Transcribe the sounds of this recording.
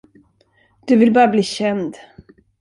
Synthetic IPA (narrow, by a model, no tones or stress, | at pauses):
d̪̥ɵvɪlbɑːɾabliːɕɛnd̪